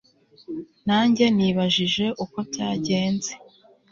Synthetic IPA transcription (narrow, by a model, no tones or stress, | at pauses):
naːɲɟe̞niβaʒiʒe̞ʔuko̞taːɟe̞ːnze